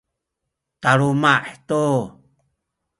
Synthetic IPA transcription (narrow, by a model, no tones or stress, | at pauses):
t̪aɾumaʔt̪u